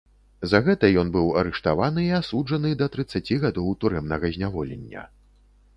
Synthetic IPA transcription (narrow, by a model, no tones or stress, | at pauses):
zɐɣɛt̪ɐjɔnbɨwɐɾɛʂt̪avanɨiasud͡ʐɐnɨd̪ɐt̪ɾɨt̪sːat͡sʲiɣad̪ɔwt̪uɾɛmnɐɣɐzʲnʲavɔlʲɛ̰nʲːɐ̰